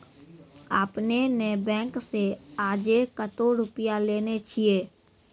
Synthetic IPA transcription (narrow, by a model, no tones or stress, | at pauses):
aːpnenebɛ̃ːŋkseaːd͡ʒekət̪oɾʊpɪjaleːnet͡ʃʰieː